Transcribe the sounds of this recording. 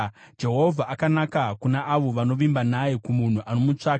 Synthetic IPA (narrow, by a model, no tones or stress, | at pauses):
d͡ʒe̞ɦo̞vʱaʔakanakakunaʔaʋo̞ʋano̞ʋimbanajekumun̤uʔano̞mut͡ʂaːka